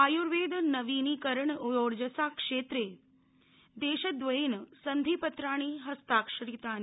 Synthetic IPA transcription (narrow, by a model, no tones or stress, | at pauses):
ajuɾʋeːd̪nɐʋinikəɾəɳujoːɾd͡ʒəsaːkʂeːt̪ɾe | d̪eːʃəd̪ʋəinsənd̪ʱipət̪ɾaːɽ̃iɦɐst̪aːkʂəɾit̪aːn